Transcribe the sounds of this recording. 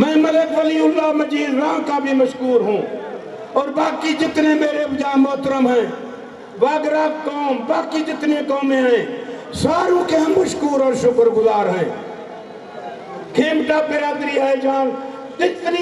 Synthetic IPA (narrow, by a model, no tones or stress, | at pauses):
mɛ̃ːməlekʋəliʊlːaːməd͡ʒiːd̪ɾãːkabʱiməʃkuːɾɦũː | ɔːɾbaːkid͡ʒɪt̪nemeːɾebd͡ʒãːmɔt̪ɾəmɦɛ̃ː | baːɡɾaːɡkoːmbaːkid͡ʒɪt̪nekoːmẽɦɛ̃ːsaːɾũkeɦəmːəʃkuːɾɔːɾʃʊkʰəɾɡʊzaːɾɦɛ̃ː | kʰeːmʈabeaːd̪ɾiɦɛd͡ʒãː | d͡ʒɪt̪ni